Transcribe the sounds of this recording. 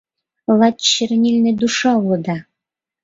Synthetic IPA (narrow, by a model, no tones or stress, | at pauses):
lˠɑt̪t͡ɕːɘ̆rnʲilʲnɘ̆d̪uʃɑulɤ̆d̪ɑ